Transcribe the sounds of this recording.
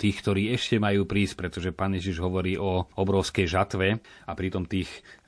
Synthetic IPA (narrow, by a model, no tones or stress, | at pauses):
t̪iːxkt̪ɔɾiːɛʃcɛmajuːpɾiːsc̚pɾɛt̪ɔʒɛpaːnjɛʒiʒɦɔʋɔɾiːʔɔɔbɾɔʊskɛjʒat̪ʋɛapɾit̪ɔmt̪iːx